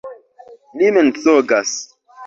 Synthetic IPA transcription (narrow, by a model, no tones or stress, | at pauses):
liment͡soɡas